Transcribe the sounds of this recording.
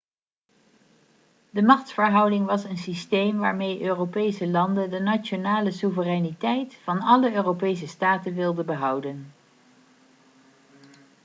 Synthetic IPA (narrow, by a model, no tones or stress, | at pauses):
dəmɑχtfəɹɦʌwdɪŋʋɑsənsistejmʋaːɹmejʔøːropejsəlɑndədənat͡ʃonaːləsuvərɛjnitɛjtfɑnɑləøːropejsəstaːtənʋɪlˠdəbəɦʌwdən